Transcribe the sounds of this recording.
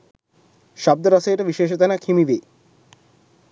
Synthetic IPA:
ʃɔb̚d̪oɾɔsajʈabiʃeːʃ̬ot̪anakʰimibe

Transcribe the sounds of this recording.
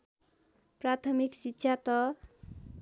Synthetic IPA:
prat̪ʰʌmiksitːɕʰat̪ʌ

